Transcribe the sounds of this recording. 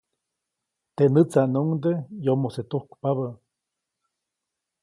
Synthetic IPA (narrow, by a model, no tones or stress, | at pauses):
t̪eʔnɨt͡sanuŋd̪ejomoset̪uhkpaβə